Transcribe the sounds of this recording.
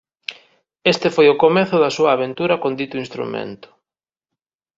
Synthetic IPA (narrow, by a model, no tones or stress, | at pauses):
est̪ɪfojʊkomeθʊðɐsuɐːβ̞ent̪uɾɐkond̪it̪ʊinst̪ɾṵmḛnt̪ʊ̥